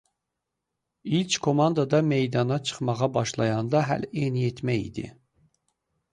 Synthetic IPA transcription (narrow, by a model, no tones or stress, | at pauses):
ilʲt͡ʃkʰo̞mɑnd̪ɑd̪ɑme̞jd̪ɑnɑt͡ʃʰɯ̥χmɑʁɑbɑʃlˠɑjɑnd̪ɑɦæ̰leniet̪ʰmæjḭd̪ḭ